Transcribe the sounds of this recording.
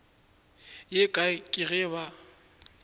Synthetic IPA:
jekʼakʼɪɣɛβa

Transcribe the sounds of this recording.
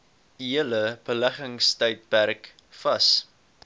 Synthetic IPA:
iələb̥əlæχəŋstəjt̚pærk | fɐs

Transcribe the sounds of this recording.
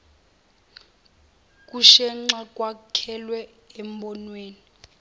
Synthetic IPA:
kʼuʃɛŋ͡ǁakʼwakʰɛlwɛ | ɛmbɔnweːni

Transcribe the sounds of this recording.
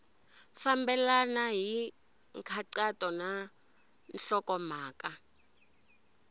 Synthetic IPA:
fambɛlanaɦi | ŋkʰaǀatʼɔna | nɬɔkɔmaːka

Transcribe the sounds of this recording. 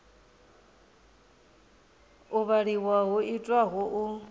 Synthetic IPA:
uβaɺiwaɦuʔitʼwaɦɔʔu

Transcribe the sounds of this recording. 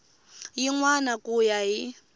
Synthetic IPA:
jiŋwanakʼujaji

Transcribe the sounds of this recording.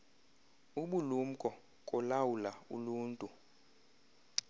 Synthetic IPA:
uɓulum̩kʼɔ | kʼɔlawulaṵluːntʼu

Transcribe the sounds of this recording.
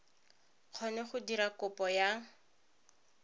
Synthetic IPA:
q͡χʰɔnɛχʊdiɾakʊpɔja

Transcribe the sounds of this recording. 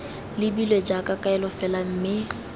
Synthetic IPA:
lɪbilwed͡ʒakʼakʼaɛlɔfɛlam̩ːmɪ

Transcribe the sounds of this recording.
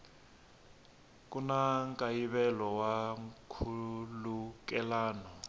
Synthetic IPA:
k̬unaŋkʼajiβɛlɔwakʰuluk̬ʼɛlaːnɔ

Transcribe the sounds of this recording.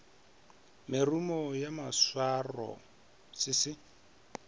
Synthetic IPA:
mɪrumɔjamaswarɔ̰ | sɪsɪ

